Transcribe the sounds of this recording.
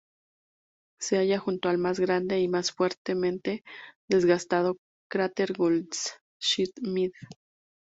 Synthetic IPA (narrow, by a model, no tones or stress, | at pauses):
se̞aʝaxunt̪oalmazɣɾand̪e̞imasfwe̞ɾt̪emẽnt̪e̞ðe̞zɣast̪að̞o̞ | kɾat̪eɾɣold̪s | ʃit̪mið